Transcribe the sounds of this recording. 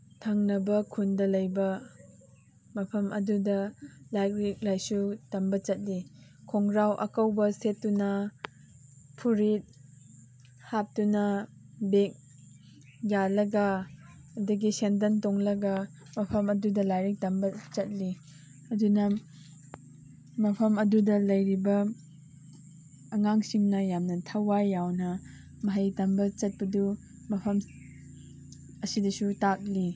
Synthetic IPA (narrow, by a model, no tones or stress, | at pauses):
tʰɐŋnɐbɐkʰundɐlɐjbɐ | mɐpʰɐmʔɐ̰dudɐlajkɾik̚lajsutɐmbɐt͡ʃɐt̚likʰoŋɾawʔɐ̰kɐwbɐsetːunɐ | pʰuɾit̚ | hap̚tunɐbek̚ | jalɐɡɐː | dɐɡisent̬ɐntoŋlɐɡɐ | mɐpʰɐmɐdudɐlajɾik̚tɐmbɐt͡ʃɐt̚li | ɐdunɐ | mɐpʰɐmɐdudɐlɐjɾibɐ | ŋaŋsiŋnɐjamnɐtʰawajːawnɐ | mɐɦɐjtɐmbɐt͡ʃɐt̚pɐdu | mɐpʰɐm | ɐsidɐsutak̚li